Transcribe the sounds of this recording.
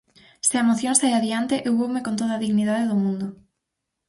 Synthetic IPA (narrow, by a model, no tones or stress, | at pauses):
sɪaemoθjõŋsajaðiant̪ɪʔewβowmekont̪̬oðaðiɣniðaðeðʊmũnd̪ʊ